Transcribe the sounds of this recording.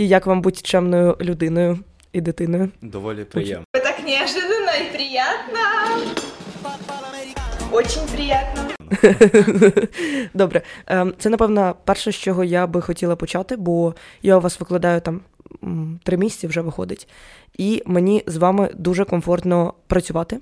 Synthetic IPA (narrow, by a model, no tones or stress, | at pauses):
ijɐkʋɑmbutʲt͡ʃɛmnɔjʊlʲʊd̪ɪnɔjʊ | id̪ɪt̪ɪnɔjʊd̪ɐɔlʲɔ̰ɛt̪ɐknʲɪɐʐɨd̪ənːɐipɾʲɪjat̪nɐ | ot͡ɕɪnʲpɾʲɪjat̪̚nɐ | d̪ɔbɾɛt̪sɛnɐpɛʋnɔpɛrʂɛʃt͡ʃɔɦɔjabɪxɔtʲilˠɐpɔt͡ʃɑt̪ɪbɔjaʊʋɑsʋɪklˠɐd̪ɑjʊt̪ɑm | t̪ɾɪmʲisʲɛ̥tt͡sʲɐwʐɛʋɪxɔ̰d̪ɪtʲ | imenʲizʋɑmɪ̰d̪uʐɛkɔmfɔrt̪nɔpɾɐt͡sʲʊʋɑt̪ɪ